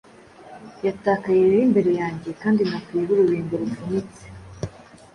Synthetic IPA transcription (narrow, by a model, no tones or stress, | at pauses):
jataːkajeɾɾimbe̞ɾe̞jaːɲɟe̞kaːndinakuiβuɾuɾiːŋɡoɾufunit͡se